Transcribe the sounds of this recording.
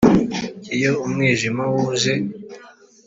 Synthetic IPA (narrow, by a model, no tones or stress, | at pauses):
ijoumŋiːʒimawuze